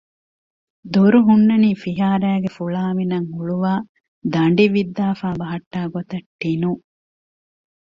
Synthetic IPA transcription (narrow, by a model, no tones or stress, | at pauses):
d̪uɾuɦunːɐniːfiɦaːɾæːɡefuɭaːminɐŋuɭuʋaː | d̪ɐɳɖiʋid̪ːaːfaːbɐɦɐʈːaːɡot̪ɐʈːinu